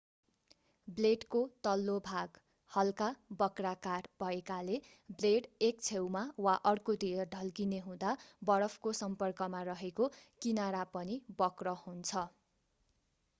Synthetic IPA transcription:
bleɖkot̪ʌlːobʱaɡ | hʌlkabʌkrakarbʱʌekale | bleɽekt͡sʰewmawaʔʌrkod̪ijʌɖʱʌlkineɦũd̪abʌɽʌpʰkosʌmpʌrkʌmarʌɦekokinaɾapʌnibʌkrʌhunt͡sʰʌ

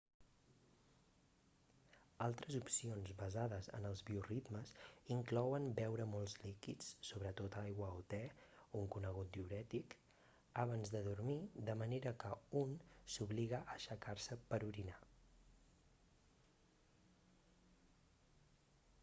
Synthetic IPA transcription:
alˠt̪ɾəzupsionzbəzaðəzə̰nəlˠzβiurid̪məziŋklɔwənbɛwɾəmolˠzlikit͡sːoβɾət̪ot̪ajɣwəot̪ɛuŋkunəɣ̞ut̪̚d̪iuɾɛt̪ik | əβ̞anzðəðuɾmid̪əməneɾəkəunsuβliɣəʔəʃəkaɾsəpəɾuɾina

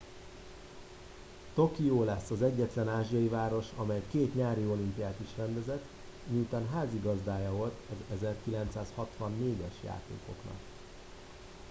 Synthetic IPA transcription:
t̪o̞kijoːlɛsːɒzɛɟːɛt̪lɛnaːʒijɒjivaːɾo̞ʃɒmɛjkeːt̪ɲaːɾio̞limpijaːt̪iʃrɛnd̪ɛzɛt̪ː | ɲiut̪aːnɦaːziɡɒzd̪aːjɒvo̞lt̪ʰɒzɛzɛrkilɛnt̪saːshɒt̪ʋɒnːeːɟɛʃja̰ːt̪ḛːko̞knɒ̰k

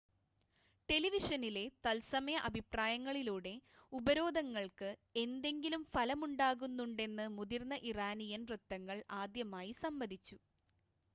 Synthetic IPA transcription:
ʈe̞liʋiʂɐnile̞t̪ɐlsɐmɐjɐʔɐbʱipraːjɐŋːɐɭiluːɽe̞ubɐɾo̞ːd̪ʱɐŋːɐɭkɨe̞nd̪e̞ŋɡilumfɐlɐmuɳɖaːɣunːuɳɖe̞nːɨmud̪irnːɐʔiraːnijɐnrɨt̪ːɐŋːɐɭaːd̪jɐmaːjisɐmbɐd̪ʱit͡ɕːu

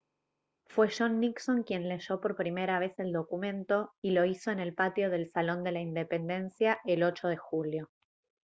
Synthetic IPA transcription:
fwe̞ʃo̞nːikso̞ŋkje̞nle̞ʒo̞po̞ɾpɾime̞ɾaβ̞e̞se̞ld̪o̞kumẽ̞nt̪o̞ilo̞iso̞ene̞lpat̪jo̞ð̞e̞lsalo̞nd̪e̞laind̪e̞pe̞nd̪e̞nsjaʔe̞lo̞t͡ʃoðe̞xuljo̞

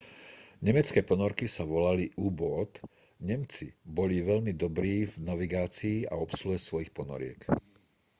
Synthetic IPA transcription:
ɲɛmɛt͡skɛːpɔnɔɾkisaʋɔlaliʔubɔt̪ | ɲɛmt͡sibɔliʋɛʎmid̪ɔbɾiːvnaʋiɡaːt͡siːa̰ɔpsluɦɛsʋɔjixpɔnɔ̰ɾɪɛ̰k

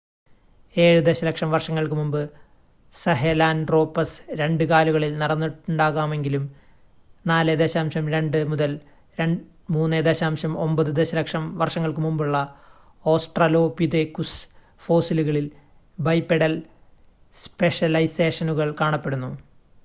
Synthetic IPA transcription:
e̞ːɻud̪eɕɐlɐkʂɐmʋɐrʂɐŋːɐɭkɨmumbɨ | sɐɦelaːnɖro̞ːpːɐsɾe̞ɳɖɨkaːluɣɐɭilnɐɽɐnːuʈːuɳɖaːɣaːme̞ŋɡilum | naːled̪eːɕaːmɕɐmɾe̞ɳɖɨmuðɐl | ɾeɳ | muːnːed̪eːɕaːmɕɐmo̞̰mbɐðɨd̪e̞ɕɐlɐkʂɐmʋɐrʂɐŋːɐɭkɨmumbuɭːɐ | o̞ːsʈrɐlo̞ːpiðekːus | fo̞ːsiluɣɐɭil | bɐjpːeɽɐl | spe̞ʂɐlɐjse̞ːʂɐnuɣɐɭkaːɳɐpːe̞ɽunːu

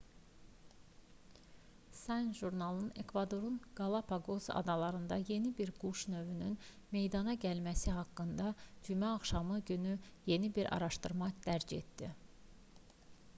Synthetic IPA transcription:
sɑnʒuɾnɑlˠɯne̞kvɑd̪o̞ɾunɡ̥ɑlˠɑpʰɑɡozɑ̰d̪ɑlˠɑɾɯnd̪ɑje̞nibiɾɡ̥uʃnø̞vynyn | me̞jd̪ɑnɑɟælmæsiɦɑkːɯnd̪ɑd͡ʒymæɑχʃɑmɯɟynyje̞nibiɾʔɑ̰ɾɑʃt̪ɯɾmɑd̪̥æɾd͡ʒe̞t̪d̪̥i

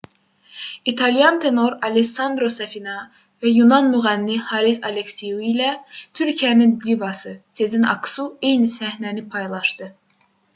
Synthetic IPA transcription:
it̪ʰɑlijɑnt̪ʰe̞no̞ɾɑlesɑnd̪ɾo̞sæfinɑ | væjunɑnmyɣælːihɑɾisɑ̰leksijuilæt̪ʰyɾcʰijæninlivɑsɯse̞zinɑ̰ksue̞jnisæhnænipʰɑjlˠɑʃd̪ɯ

